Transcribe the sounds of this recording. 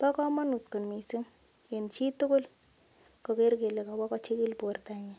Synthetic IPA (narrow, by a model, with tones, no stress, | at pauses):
pa˦kɔ˦ma˦nu˨tku˨nmi˨sɪ˦ŋ | e˨nt͡ʃi˦tʊ˦kʊ˦l | kɔ˨ke˦ɾke˨le˨ka˨ba˦kɔ˦t͡ʃi˦ki˦lpu˨a˨rta˨ɲa˨